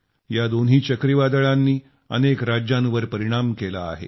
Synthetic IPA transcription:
jad̪onɦiːt͡ɕəkɾiʋad̪əɭanːiː | ə̰nekɾad͡ʑjãnʋəɾpəɾiɽ̃amkela̰ːɦḛ

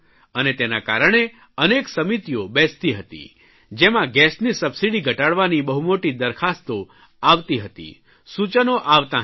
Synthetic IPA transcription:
ənet̪enakaɾəɳ̃e | əneksəmit̪ijobɛst̪iɦət̪ḭ | d͡ʒemãɡɛsnisəbsiɽiɡʱəʈaɽʋanibəɦumoʈid̪əɾkʰast̪o | aʋt̪iɦət̪ḭ | sut͡ʃənoʔaʋt̪ã

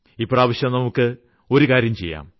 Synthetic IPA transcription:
ipːoːaːʋɐɕjɐmnɐmukːɨ | o̞ɾukaːɾjɐmt͡ɕe̞jːa̰ːm

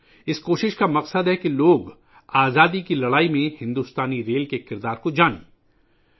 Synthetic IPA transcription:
ɪskoːʃɪʃkamɐqsəd̪ɦɛkiloːɡ | aːzaːd̪ikilɐɽaːimẽhɪ̃nd̪ust̪aːniɾeːlkekɪɾd̪aːɾkod͡ʒaːnḛ̃ː

